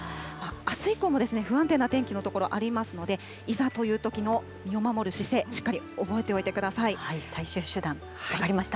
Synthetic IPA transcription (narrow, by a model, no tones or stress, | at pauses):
maasɨiko̞ːmo̞d̪e̞sɨne̞ɸɯ̟ãnt̪ẽ̞nːat̪ẽ̞ŋkʲino̞t̪o̞ko̞ɾo̞ʔaɾʲimasɨno̞d̪e̞ | izat̪o̞jɯ̟ːt̪o̞kʲino̞ | mʲio̞mamo̞ɾɯ̟ɕise̞ːɕi̥kːaɾʲi | o̞bo̞e̞t̪eo̞it̪e̞kɯ̟d̪asaihaisaiɕɨːɕɨd̪ãŋ | aaaɾʲimaɕi̥t̪a